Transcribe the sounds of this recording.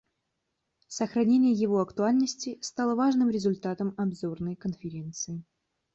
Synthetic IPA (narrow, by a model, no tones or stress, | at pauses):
səxɾɐnʲenʲɪjəjɪvo̞ɐkt̪ʊalʲnəsʲtʲɪst̪alˠəvaʐnɨmɾʲɪzʊlʲt̪at̪əmɐbzo̞rnəjkənfʲɪɾʲe̞nt̪sɨɪ